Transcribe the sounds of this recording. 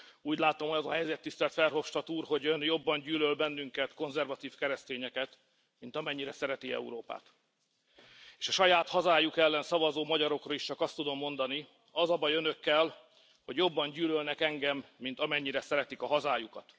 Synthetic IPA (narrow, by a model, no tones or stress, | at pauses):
uːɟlaːt̪omhoɒzɒ̰ɦɛjzɛt̪ːist̪ɛlt̪fɛrɦo̞fʃt̪ɒt̪uːrho̞ɟønjo̞bːɒɲɟyːlølbɛnːyŋkɛt̪ko̞nzɛrvɒt̪iːfkɛɾɛst̪eːɲɛkɛt̪ | mint̪ɒmɛɲːiɾɛsɛɾɛt̪iɛ̰ṵɾoːpa̰ːt̪ | eːʃɒʃɒjaːt̪hɒzaːjukɛlːɛnsɒvɒzoːmɒɟɒɾo̞krɒiʃt͡ʃɒkɒst̪ud̪o̞mːo̞nd̪ɒni | ɒzɒbɒjønø̞kːɛl | ho̞ɟjo̞bːɒɲɟyːlølnɛkɛŋɡɛmːint̪ɒmɛɲːiɾɛsɛɾɛt̪ikɒɦɒzaːjukɒt̪